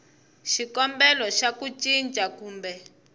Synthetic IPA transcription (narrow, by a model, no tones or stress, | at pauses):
ʃikɔmbɛlɔʃakut͡ʃind͡ʒʼakuːmbɛ